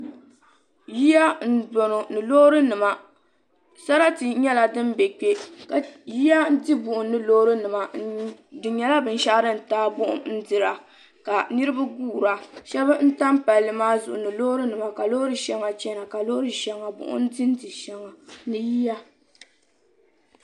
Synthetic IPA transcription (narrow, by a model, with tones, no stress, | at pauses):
ji˦ja˦n̩˦do˨no˨nɨ˨lo˦hɾɨ˦nɨ˨ma˨ | sa˦ɾa˦tɨ˨ɲɛ˦la˨dɨ˦mbɛ˨k͡pe˦ka˨ji˦ja˦n˦dɨ˦bʊ˨ʔʊ˨nɨ˦lo˦hɾɨ˦nɨ˨ma˨dɨ˨ɲɛ˨la˦bɨ˨n˦ʃa˦ʔɾɨ˦n̩˨taː˦bʊ˦ʔʊ̰˦mn̩˦dɨ˦˨ɾa˨ | ka˨nɨ˦ɾɨ˦ba˦ɡuː˦˨ɾa˨ʃɛ˦bɨ˦n̩˦ta˦mpa˨lːɨ˨maː˦zʊ̰˨ʔʊ̰˨nɨ˨lo˦ɾɨ˦nɨ˨ma˨ka˨lo˦ɾɨ˦ʃɛ˦ŋa˨t͡ʃɛ˦na˨ka˨lo˦ɾɨ˦ʃɛ˨ŋa˨bʊ̰˨ʔʊ̰˦n̩˦dɨ˦n˦dɨ˨ʃɛ˨ŋa˨nɨ˨ji˦ja˦